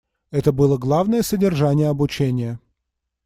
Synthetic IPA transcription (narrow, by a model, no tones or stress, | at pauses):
ɛt̪əbɨlˠəɡlˠavnəjəsədʲɪrʐanʲɪjəɐbʊt͡ɕenʲɪjə